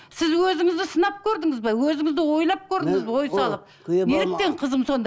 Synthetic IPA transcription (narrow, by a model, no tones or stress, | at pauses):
sɪzwɵzɪŋɪzd̪ɪsənɑp̚kʲʰɵɾd̪ɪŋɪzbɑwɵzɪŋɪzd̪ɪwo̞jlˠɑp̚kʲʰɵɾd̪ɪŋɪzwo̞jsɑlˠəp̚ | neɾek̪̚e̞ɴqʰəzəmso̞nd̪